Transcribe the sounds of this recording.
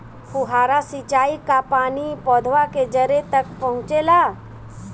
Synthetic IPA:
puɦaːɾasit͡ʃaːikapaːnipɔːd̪ʱʋaked͡ʒɐɾet̪ɐkpɐɦʊ̃t͡ʃelaː

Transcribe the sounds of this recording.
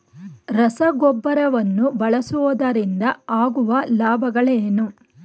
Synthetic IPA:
ɾɐsɐɡɔbːɐɾɐʋɐnːubɐɭɐsuʋɐd̪ɐɾind̪ɐaːɡuʋɐlaːbʱɐɡɐɭeːnu

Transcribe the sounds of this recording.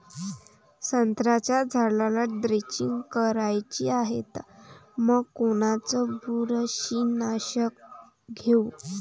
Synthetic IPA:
sənt̪ɾat͡ɕjad͡zʱalalaʈd̪ɾet͡ɕiŋɡkəɾajt͡ɕiaɦet̪məɡkoɽ̃at͡sɔbuɾəɕinaɕək̚ | ɡʱeu

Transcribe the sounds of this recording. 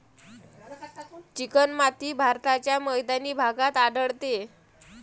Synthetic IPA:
t͡ɕikənmat̪iːbʱaɾt̪at͡ɕjaməjd̪aniːbʱaɡat̪aɖəɭt̪e

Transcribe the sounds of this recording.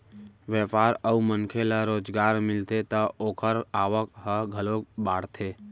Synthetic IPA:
ʋjɛːpaːɾəumənkʰeləɾoːd͡ʒɡaːɾmɪlt̪et̪ɐoːkʰəɾaːʋəkɦəɡʱəlokbaːɽt̪ʰeː

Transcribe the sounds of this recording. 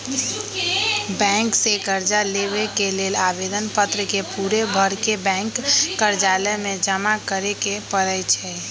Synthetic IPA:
bɛ̃ːŋksekəɾd͡ʒaleβekeleːlabed̪ənpət̪ɾəkepuːɾebʱəɾkebɛ̃ːŋkːəɾd͡ʒaːləmẽd͡ʒəmakəɾekepəɾət͡ʃʰɛ

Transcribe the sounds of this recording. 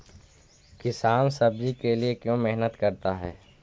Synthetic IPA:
kɪsaːnsɐb̚d͡ʒikeliekjõmɛɦnət̪kɐɾt̪aɦɛ̰ː

